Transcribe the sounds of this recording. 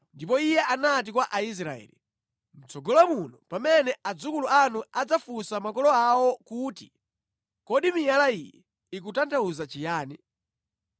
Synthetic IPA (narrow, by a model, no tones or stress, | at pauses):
ndip̬ɔijɛʔanat̬ikwaʔais̬ɾaɛ̰ːli | m̩t͡sɔɡɔlamunɔpamɛnɛad͡zukuluanuad͡zafusamakɔlɔawɔkuːti | kɔɗimijalaḭjɛ̰ | ik̬utantʰauzat͡ʃijaːni